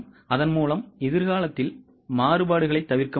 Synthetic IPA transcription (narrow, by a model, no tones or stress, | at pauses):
ɐðɐnmuːlɐmɪðɪɾɣaːlɐt̪ːɪl | maːrɯbaːɽɯɣɐɭɐɪt̪ːɐʋɪrkɐ